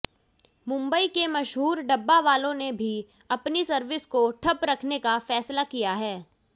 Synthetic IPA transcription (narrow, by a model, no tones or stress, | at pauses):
mʊ̃mbəikemɐʃɦuːɾɖɐbːaʋaːlõnebʱi | ɐpnisɐɾʋɪskoʈʰɐpɾɐkʰnekafɛːslakijaɦɛː